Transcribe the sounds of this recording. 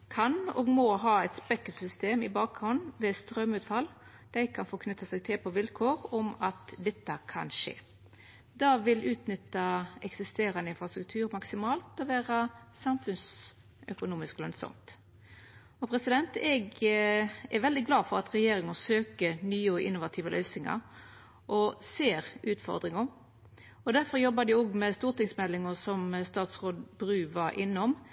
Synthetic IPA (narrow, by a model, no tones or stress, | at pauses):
kʰɑnɔ̰ːɡmɔɦɑːɛt̪spɛkəksʏst̪eːmɪbɑːk̚ʁʊnʋɛst̪ɾœmʉːt̪fɑl | d̪̥æɪkʰɑnfɔkʰnʏt̪ːɑsɛɡ̚t̪ʰɪlpʰɔʋɪlkʰoːɾɔmɑt̪d̪ɛt̪ːəkʰɑ̰nʂḛː | d̪ɑːʋɪlʉːt̪nʏt̪ːɑɛksɪst̪eːɾɑnəɪnfɾɑst̪ɾʉk̚t̪ʰʉːɾmɑksɪmɑːlt̪ɔʋæːɾɑsɑmfʉns | œ̰kʊnuːmɪsklœ̰nsɔ̰mt̪ | ɔpʰɾɛsɪd̪ɛnt̪ɛɡ | ɛɾʋɛld̪ɪɡlɑːfɔɾɑt̪ɾɛjeːɾɪŋəsøːkənyːəɔʔɪ̰nːʊʋɑt̪ʰiːʋəlœ̰ʏsɪŋɑ̰ɾ | ʔɔseːɾʉːt̪fɔ̰ɾd̪ɾɪŋə | ɔd̪æɾfɔɾjɔbɑd̪ɪoːɡmɛst̪uːɾʈ̪ɪŋsmɛlɪŋəsɔmst̪ɑːt̪sʁoːd̪bɾʉːʋɑɾʔɪnːəɔm